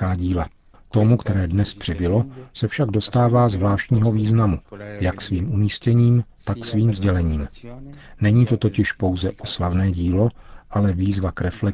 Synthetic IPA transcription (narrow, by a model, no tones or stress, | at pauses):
aːɟiːla | t̪o̞mukt̪ɛɾɛːdnɛspr̝̥ɪbɪlo̞sɛfʃaɡdo̞st̪aːvaːzvlaːʃcɲiːɦo̞viːznamujaksviːmʔumiːscɛɲiːmt̪aksviːmzɟɛlɛɲiːm | nɛɲiːt̪o̞t̪o̞cɪʃpo̞wzɛʔoslavnɛːɟiːlo̞ʔalɛviːzvakɾɛflɛ